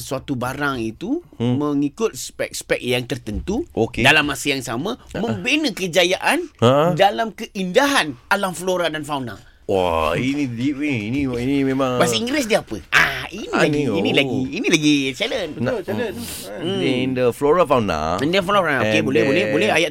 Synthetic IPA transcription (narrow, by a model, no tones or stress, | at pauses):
suat̪ubaɾaŋit̪umə̃ŋikʊt̪̚spɛ̰k̚spɛk̚jaŋt̪ərt̪ənt̪uokedalamːasəjaŋsamãmə̃mbenəkəd͡ʒajaʔanadalamkəʔindaɦanalamfloɾadanfawna̰ | wa̰iniiiniinimẽmãŋpasiiŋɡɾɛs̬diapə̰ʔainilaɡiinĩlaɡiːnilaɡit͡ʃalənb | ndəfloɾafawna̰ndəfanafanaokebolɛhbolɛhbolɛhajaʔ